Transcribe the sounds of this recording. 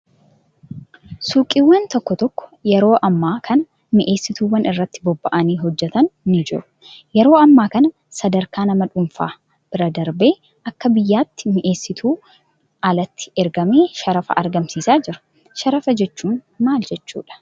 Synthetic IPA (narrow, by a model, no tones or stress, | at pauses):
suːkʼiːwːɐnt̪ɔkːɔt̪ɔkːɔ̥jɛɾo̞ːʔɐmːaːkʰɐnɐ | mɪʔe̞ːsːɪt̪uːwɐnʔɪrːɐt̪ːɪbɔbːɐʔɐniːɦɔd͡ʒːɛt̪ɐnːɪd͡ʒɪ̰ɾʊ̥ | jɛɾo̞ːɐmːaːkɐnɐ | sɐd̪ɐɾkaːnɐmɐᶑʊmfa̰ː | b̥ɪɾɐd̪ɐɾbe̞ː | ʔɐkːɐbɪjːaːt̪ːɪ̥mɪʔe̞ːsːɪt̪ʰuː | ʔɐlɐt̪ːɪ̥ɛɾɡɐme̞ːʃɐɾɐfɐ̰ɐɾɡɐmsiːsaːd͡ʒɪɾʊ̥ | ʃɐɾɐfɐd͡ʒɛt͡ʃːuːn | maːld͡ʒɛt͡ʃːṵːᶑɐ̥